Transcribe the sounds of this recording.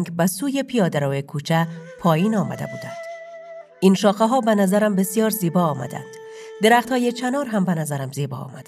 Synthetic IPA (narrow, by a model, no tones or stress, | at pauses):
ŋɡbæsuːjepʰijɒːd̪æɾɒːjekʰuːt͡ʃʰæpʰɒːjiːnɒːmæ̰d̪ḛbuːd̪æ̰nd̪̥ | inʃɒːxeɦɒːbenæzæɾæmbe̞sijɒːɾziːbɒːmæ̰d̪æ̰nd̪̥ | d̪e̞ɾæːxt̪hɒːjet͡ʃʰænɒːɾɦæmbenæzæɾæmziːbɒ̰ːɒ̰ːmæd̪̥